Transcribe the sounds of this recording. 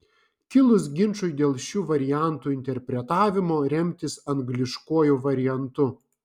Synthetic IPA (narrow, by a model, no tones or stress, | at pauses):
kʲɪlˠʊsɡʲɪnʃʊɪd̪ʲeːlˠʃʲuːʋɐɾʲɪjæˑnt̪uːɪnʲt̪ʲɛɾʲpʲɾʲɛt̪ɑːʋʲɪmoːɾʲɛmʲt̪ʲɪsɐŋɡlʲɪʃkuɔjuːʋɐɾʲɪjɛnt̪ʊ